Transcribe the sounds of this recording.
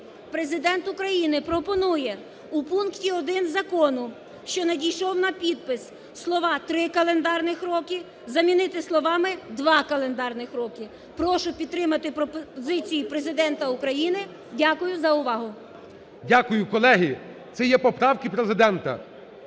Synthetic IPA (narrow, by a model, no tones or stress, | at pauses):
pɾezɪd̪ɛnt̪ʊkɾɐjinɪpɾɔpɔnujɛ | upunktʲiɔd̪ɪnzɐkɔnʊ | ʃt͡ʃɔnɐdʲijʃɔwnɐpʲid̪̚pɪs | slˠɔʋɑt̪ɾɪkɐlˠend̪ɑrnɪxɾɔkɪ | zɐmʲinɪt̪ɪslˠɔʋɑmɪd̪ʋɑkɐlˠend̪ɑrnɪxɾɔkɪ | pɾɔʃʊpʲid̪̚t̪ːɾɪmɐt̪ɪpɾɔpɔzɪt͡sʲijipɾezɪd̪ɛnt̪ɐʊkɾɐjinɪ | dʲakʊjʊzɐʊʋɑɦʊ | dʲakʊjʊkɔlˠɛɦit̪sɛjɛpɔpɾɑwkɪpɾezɪd̪ɛnt̪ɐ̰